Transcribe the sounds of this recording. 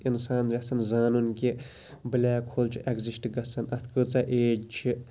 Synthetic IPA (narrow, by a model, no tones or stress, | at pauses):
insaːnɾʲɐsɐnzaːnunki | bɨlʲaːkʰoːlt͡ʃʰiʔeɡzisʈɡɐsɐnɐt̪ʰkɨt͡sɐʔeːt͡ʃʰi